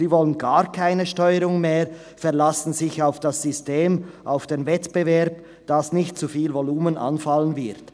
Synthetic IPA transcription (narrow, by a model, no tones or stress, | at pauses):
iːvɔlənɡaːʁkʰaɪnəʃtɔʏəɾʊŋmeːʁ | fɛɐlasn̩zɪçaʊfd̥asz̥ʏsteːmʔaʊfd̥envɛtb̥əvɛɐp | d̥asnɪçtt͡sufiːlvoluːmənʔa̰nfalənvɪʁt